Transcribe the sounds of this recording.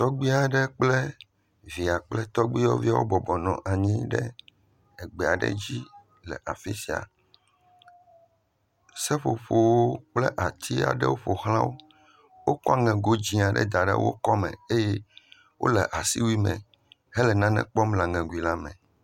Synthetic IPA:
t̪ɔ˦ɡ͡bi˦a˨ɖɛ˦k͡plɛ˦ | vi˨a˨k͡plɛ˦t̪ɔ˦ɡ͡bi˦ɔ˦vi˦a˦wo˦bɔ˨bɔ˨nɔ̃˨ʔa˨ɲĩ˦ɖɛ˦ | ɛ˨ɡ͡bɛ˨a˨ɖɛ̰˦d͡ʑi˦ | lɛ̰˨ʔa˨fi˦si˨a̰˨ | sɛ˦ɸo˨ɸo˨wo˦k͡plɛ˦ʔa˨t̪ʰi˦a̰˨ɖɛ̰˦wo˦ɸo˨xlã˦wo˦ | wo˦kɔ˦a˨ŋɛ̃˨ɡo˦d͡ʑĩ˦a˨ɖɛ̰˦d̪a˨ɖɛ̰˦wo̰˦kɔ˦mɛ̃˨e˦jɛ˦ | wʔo̰˦lɛ˨ʔa˨si˦wi˦mɛ̃˨ | ɦɛ˦lɛ˨nã˦nɛ̰̃˨k͡pɔ˦mla˨ŋɛ̃˨ɡu˨i˨la˦mɛ̰̃˨

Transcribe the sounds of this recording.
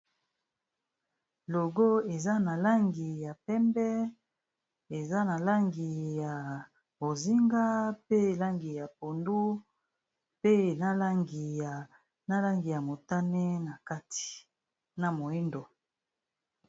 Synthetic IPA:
lo˨ɡo˦e˨za˦na˨la˦ŋɡi˨ja˨pɛ˦mbɛ˦ | e˨za˦na˨la˦ŋɡi˨ja˨ | bo˨zi˦ŋɡa˦pe˦˨la˦ŋɡi˨ja˨p̚o˨ndu˦ | pe˦˨na˦la˦ŋɡi˨a˨ | na˦la˦ŋɡi˨ja˨mo˨ta˦nɛ˦na˨ka˦ti̥˨ | na˨mo˨i˦ndo˨

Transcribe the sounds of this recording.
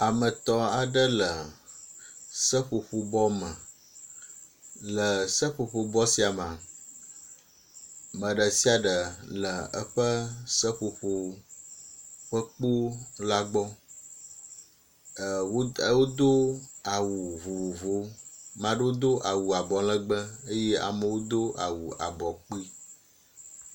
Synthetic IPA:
a˨mə˨t̪ɔ˦a˨ɖə˦lə˨ | sə˦ɸo˨ɸo˨bɔ˦mə̃˨ | lə˨sə˦ɸo˨ɸo˨bɔ˦si˦a˨m˨ã˨ | mə̃˨ɖə˨si˦a˨ɖə˨lə˨ə˦ɸə˦sə˦ɸo˨ɸo˨ | ɸə˦k͡po˦la˦ɡ͡bɔ˦˨ | wo˦wo˦d̪o˦a˨wu˨vo˨vo˦mã˨ɖe˦wo˦d̪o˦ʔa˨wu˨a˨bɔ˨lə̃˦ɡ͡bə˦e˦je˦a̰˨mə˨wo˦d̪o˦ʔa˨wu˨a̰˨bɔ˨k͡pi˦

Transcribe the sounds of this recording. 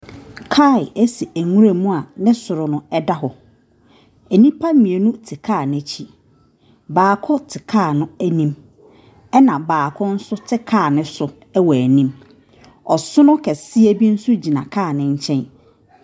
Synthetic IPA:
kʰa˦˨ɪ˨æ˦si˨æ˨ŋũ˦ɾe˨mũ˦a˨nɪ̃˦sʊ˨ɾʊ˨nʊ̃˨ɛ˦da˦ɦɔ˨ | æ˨nĩ˦pʰa˦mĩ˨e˨nũ˦tʰɪ˨kʰaː˦˨ñ˨æ˨t͡ɕʰi˦ | baː˨kʰɔ˦tʰɪ˨kʰaː˦˨nʊ̃˦æ˦nĩ˦m | ɛ˦nã˨baː˨kʰɔ˦n̩˦sʊ˦tʰɪ˦kʰaː˦˨nɪ̃˦sʊ˨ | ɛ˦wɔ˨æ˨nĩ˦m | ɔ˨sʊ˦nʊ̃˦kʰɛ˨si˦æ˦bi˦n̩˦sʊ˦d͡ʑi˨nã˨kʰaː˦˨nɪ̃˦ɲ˦t͡ɕʰɛ̃˦n

